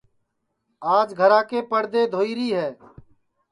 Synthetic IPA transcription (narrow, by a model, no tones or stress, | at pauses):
aːd͡ʒɡʱəɾãːkeːpəɽd̪eːd̪ʱoːiːɾiːɦɛː